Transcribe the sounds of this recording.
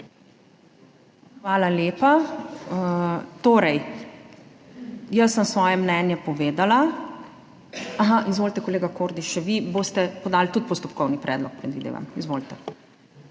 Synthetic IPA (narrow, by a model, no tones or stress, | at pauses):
xʋaːlaleːpa | t̪oːɾɛj | jɐsːəmsʋɔːjɛmnɛːnjɛpɔʋeːd̪ala | aɦaʔizʋoːlt̪ɛkɔleːɡakoːɾd̪iʃɛʋiboːst̪ɛpɔd̪aːlt̪ut̪̚pɔst̪ɔpkɔwnipɾɛ̰ːd̪lɔk̚pɾɛd̪ʋid̪ḛʋa̰mizʋoːlt̪ɛ